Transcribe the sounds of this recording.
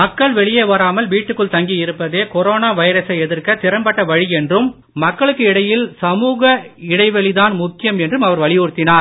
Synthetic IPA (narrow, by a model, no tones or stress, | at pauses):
mɐkːɐɭʋɛɭɪjeʋɐɾaːmɐlʋiːʈːɯkːɯɭt̪ɐŋɡijɪɾɯpːɐðeːkɔɾoːnaːʋɐɪɾɐsɐɪɛðɪrkɐt̪ɪɾɐmpɐʈːɐʋɐɻiɛndrɯmː | ɐkːɐɭɯkːɯɪɽɐjɪlsɐmuːɣɐɪɽɐɪʋɛɭiðaːnmʊkːɪjɐmɛndrɯmɐʋɐɾʋɐɭɪjuɾɯt̪ːɪnaːɾ